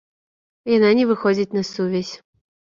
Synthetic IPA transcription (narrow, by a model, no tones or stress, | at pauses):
jananʲɛvɨxɔd͡zʲit͡sʲnɐsuvʲɛsʲ